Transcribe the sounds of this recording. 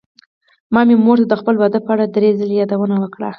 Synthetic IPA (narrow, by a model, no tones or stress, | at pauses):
mɑmemoɾt̪ad̪əxpəlbad̪apəaɽad̪ɾezəlejɑd̪awənawəkɽa̰